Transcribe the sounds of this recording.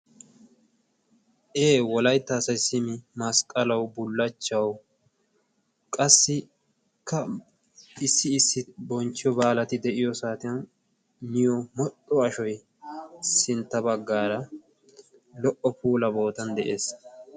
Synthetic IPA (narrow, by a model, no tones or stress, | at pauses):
ʔeːwɔlɐjt̪ːɐːsɐjsɪmɪmɐskʼːɐlɐwbʊlːɐt͡ʃːɐw | kʼɐsːɪ | kʰːɐ | ɪsːɪːsːɪbɔnt͡ʃːɪjɔbaːlɐt̪ɪd̪ɛʔɪjɔsaːt̪ɪjɐn | nɪjɔmɔt̪ʼːɔɐʃɔj | sɪnt̪ːɐbɐɡːaːɾɐ | lɔʔɔpuːlɐbo̞ːt̪ɐnd̪ɛʔe̞ːs